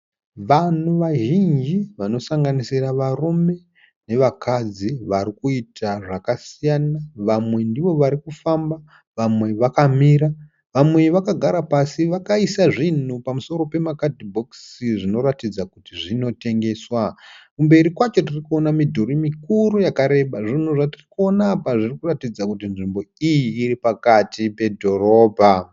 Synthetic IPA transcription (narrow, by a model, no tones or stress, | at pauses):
ʋan̤uʋaʒind͡ʒiʋano̞saŋɡanisiraʋarume̞ | ne̞ʋakad͡ziʋaɾikuitʰaʐakasijanaʋamwe̞ndiʋo̞ʋaɾikufamba | ʋamwe̞ʋakamiːɾa | ʋamwe̞ʋakaɡʱaɾapasiʋakaisaʐin̤upamuso̞ɾo̞pe̞makadibʱo̞ksiʐino̞ɾatid͡zakutiʐino̞te̞ŋɡe̞swakumbe̞ɾikwat͡ʃo̞tirikuo̞namidʱoɾimikuɾujakaɾe̞ɓaʐin̤uʐatirikuo̞naːpaʐirikuratid͡zakut̬inʐimbo̞ijiːɾipakatipe̞dʱo̞ro̞ːbʱa